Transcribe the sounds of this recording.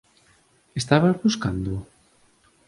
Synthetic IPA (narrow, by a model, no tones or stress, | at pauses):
est̪aβaβuskand̪o